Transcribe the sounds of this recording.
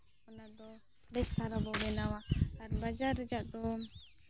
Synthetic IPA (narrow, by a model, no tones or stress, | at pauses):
ɔnad̪ɔ | bɛst̪ʰaɾabɔbɛnawat̪aɾbad͡ʒaɾɛd͡ʒaʔt̪ɔ